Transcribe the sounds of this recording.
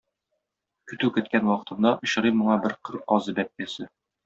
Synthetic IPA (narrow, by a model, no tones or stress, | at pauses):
kɵ̆t̪ʉkɘ̆t̪̚kænwɒqɤ̥̆t̪ɤ̆nd̪ɑʔŏɕɤ̆ɾɤmŏɴɑbɘɾqɤɾɒzɤbæp̚ːæsɘ